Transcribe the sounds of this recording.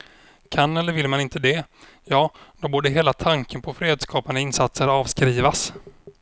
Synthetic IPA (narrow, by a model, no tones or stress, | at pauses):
kʰanːɛlːəɾvɪlmanɪnt̪əd̪ɛ | jɑːd̪ɔboːɖəɦeːlat̪ʰaŋkənpʰɔfɾeːd̪skʰɑːpand̪əɪnsat̪səɾɑːvskɾiːvas